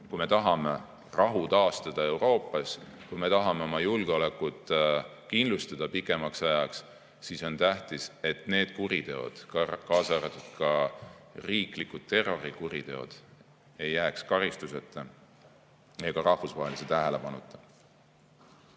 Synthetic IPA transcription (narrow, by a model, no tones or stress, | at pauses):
kujme̞t̪ɑɦɑme̞ | rɑɦut̪ɑːst̪ɑd̪̥ɑe̞wɾo̞ːpːˑɑs | kujme̞t̪ɑɦɑme̞o̞mɑjulɡ̥eo̞le̞kːˑut̪ | kind̪lust̪ɑd̪̥ɑpikːˑe̞mɑksɑjɑks | siso̞nt̪æht̪ise̞t̪ne̞ːd̪̥kuɾit̪e̞o̞̰d̪̥kɑːsɑɑɾɑt̪ːud̪̥̚kɑ | riːklikːud̪̚t̪ːe̞ro̞ɾikuɾit̪e̞o̞̰d̪̥ | e̞jːæːkskɑɾist̪use̞t̪ːˑe | eɡ̥ɑɾɑhfusvɑɦeliset̪æɦele̞pɑnut̪ːˑe